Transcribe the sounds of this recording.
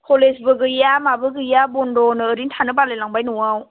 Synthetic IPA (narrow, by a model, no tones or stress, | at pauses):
kʰolesbɯɡɯjamabɯɡɯjabondonɯɾintʰanɯbanlelaŋbajnuaw